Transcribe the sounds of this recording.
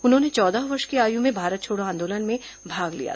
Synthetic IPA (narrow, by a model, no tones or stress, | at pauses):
ʊnɦõːnet͡ʃɔːd̪aɦʋɐɾʃkeaːjũmẽbʱaːɾət̪̚t͡ʃʰoːɽoãːnd̪oːlənmẽbʱaːɡlḭja̰